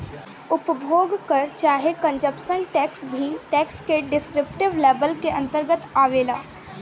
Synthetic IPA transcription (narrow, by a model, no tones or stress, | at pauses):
ʊpbʱoːɡkəɾt͡ʃaːɦekə̃ɲd͡ʒəpʃənʈɛːksbʱiʈɛːkskeɖɪskɾɪpʈɪʋleːbəlkeʔɐ̃nt̪əɾɡət̪aːʋeːlaː